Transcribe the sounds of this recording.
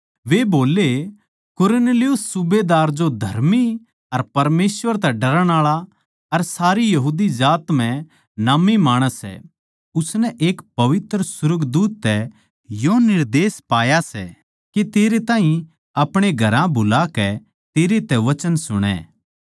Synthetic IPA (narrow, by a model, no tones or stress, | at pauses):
ʋeboːle | kʊɾneːlijʊsːʊbed̪aːɾd͡ʒod̪ʱɐɾmi | ɐɾpɐɾmeːsʋəɾt̪̬ɛɖɐɾəɽ̃aːɭa | ɐɾsaːɾijɐɦuːd̪id͡ʒaːt̪m̤ɛ̃ | namimaːɽ̃əsɛ̰ | ʊsnɛʔeːkpɐʋɪt̪ɾəsʊɾəɡd̪uːt̪ːɛ | jonɪɾd̪eːspaːjasɛ̰ː | ket̪eːɾet̪ãːɦĩ | ɐpɽ̃eɡʱɐɾãbʱʊlakɛ | t̪eːɾet̪ɛʋɐt͡ʃənsʊɽ̃ɛ̰ː